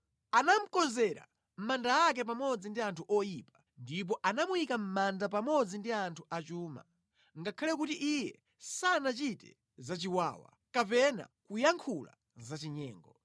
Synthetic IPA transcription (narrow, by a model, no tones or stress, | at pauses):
anam̩kɔnzɛɾa̰ | m̩mandaːk̬ɛp̬amɔd͡zindiantʰuʔɔjiːpḁ | ndip̬ɔʔanamujikam̩mandap̬amɔd͡zindiantʰuʔat͡ʃuːma̰ | ŋɡakʰalɛk̬utiʔijɛ | sanat͡ʃitɛ̰ | zat͡ʃiwaːwa̰ | kap̬ɛna̰kujaŋkʰula̰ | zat͡ʃiɲɛ̰ːŋɡɔ